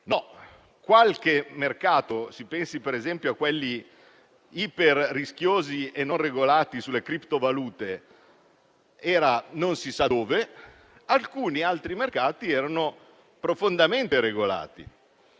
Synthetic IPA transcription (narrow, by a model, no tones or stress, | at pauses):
nɔ | kwalk̟emerkaːt̪osipɛnsipeɾezɛmpjoakːwɛlːi | iperːisk̟joːzienːonreɡolaːt̪isulːekɾipt̪ovaluːt̪e | ɛːɾanonsisaoːve | alkuːnialt̪ɾimerkaːt̪iɛːɾano | pɾofond̪ament̪eɾeɡola̰ːt̪ḭ